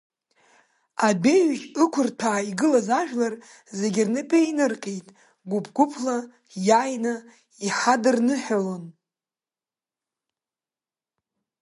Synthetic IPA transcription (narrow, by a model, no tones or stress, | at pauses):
abe̞ɥʒɨkʷʰʊrtʰaːiɡɨlazaʒᶣlar | ze̞ɡʲɪrnɨpʰʼeinɨrqʼejtʼ | ɡʷʊpʰɡʷʊpʰla | jajna | iħadɨrnɨħalon